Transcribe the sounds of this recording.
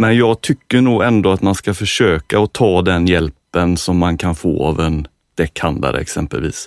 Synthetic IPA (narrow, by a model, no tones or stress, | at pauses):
mɛnjɑːɡ̚t̪ʰʏkːəɳuːɡɛnd̪oːat̪manskafœʂøːkaɔt̪ʰɑːd̪ɛnjɛlpənsɔmːankʰanfo̰ːɑ̰vɛn | d̪̥ɛkːhand̪a̰ɾə̰ɛ̰ksɛmpə̰lvḭːs